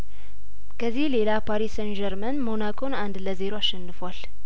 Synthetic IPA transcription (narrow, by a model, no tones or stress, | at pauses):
kʰəzːihle̞lapʰaɾisənd͡ʒɛɾmənmo̞nakʰʼo̞nand̪ləze̞ɾoaʃːɛnːɨfwal